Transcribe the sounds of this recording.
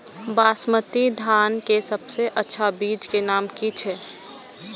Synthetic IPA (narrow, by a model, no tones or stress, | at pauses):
baːsmət̪id̪ʱaːnkesəbseʔətːʃʰabiːd͡ʒkenaːmkit͡ʃʰɛ